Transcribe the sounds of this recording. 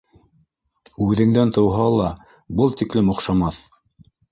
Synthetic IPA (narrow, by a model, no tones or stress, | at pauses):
ʉðɘ̆ŋd̪ænt̪ɤ̆wɦɑlˠɑ | bɤlˠt̪iklɘmŏqʃɑmɑθ